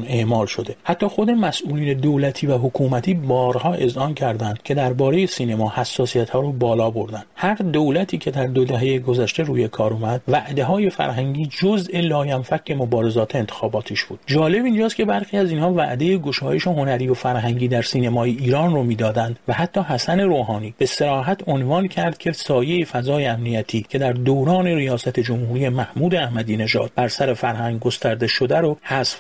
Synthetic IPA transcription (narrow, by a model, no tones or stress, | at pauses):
neʔmɒːlʃo̞d̪e̞hæt̪ʰːɒːxo̞d̪e̞mæsʔuːliːne̞d̪owlæt̪ʰiːvæɦokʰuːmæt̪ʰiːbɒːɾhɒːʔe̞zʔɒːncʰæɾd̪ænd̪cʰe̞d̪æɾbɒːɾeje̞siːnemɒːhæsːɒːsijæt̪hɒːɾobɒːlɒːbo̞ɾd̪ænhæɾd̪o̞wlæt̪ʰiːcʰe̞d̪æɾd̪o̞d̪æɦe̞jeɡo̞zæʃt̪e̞ɾuːje̞kʰɒːɾumæd̪̥væʔd̪e̞ɦɒːje̞fæ̰ɾɦæŋɟiːd͡ʒozʔe̞lɒːjæmfækcʰːe̞mo̞bɒːɾe̞zɒːt̪ʰeent̪ʰexɒːbɒːt̪ʰiʃb̥uːd̪d͡ʒɒːle̞bind͡ʒɒːst̪cʰe̞bæɾxiːæziːnhɒːvæ̰ʔd̪e̞jeɡo̞ʃɒːje̞ʃeɦo̞næɾiːvofæɾɦæŋɟiːd̪æɾsiːnemɒːjeiːɾɒːnromiːd̪ɒːd̪ænd̪væhæt̪ʰːɒːɦæsæne̞ɾoːɦɒːniːb̥e̞se̞ɾɒːɦæt̪ʰo̞nvɒːncʰæɾd̪̥cʰe̞sɒːje̞ifæzɒːjeæmnijæt̪ʰiːcʰe̞d̪æɾd̪owɾɒːne̞ɾijɒːsæt̪ʰe̞d͡ʒo̞mhuːɾiːje̞mæhmuːd̪eæhmæd̪iːne̞ʒɒ̰ːd̪̥̚b̥æɾsæɾe̞fæɾhæŋɡɡo̞st̪æɾd̪e̞ʃo̞d̪æɾohæsf